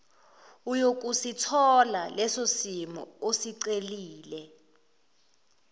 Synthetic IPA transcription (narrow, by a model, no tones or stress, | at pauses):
ujok̬ʼusitʰɔlalɛsosimɔ̰osiǀeliːlɛ